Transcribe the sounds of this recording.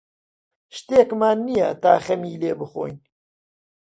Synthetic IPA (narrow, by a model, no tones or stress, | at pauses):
ʃt̪eːkmaːnːija̰ːt̪aːxɛmiːleːbɨxo̰ːjn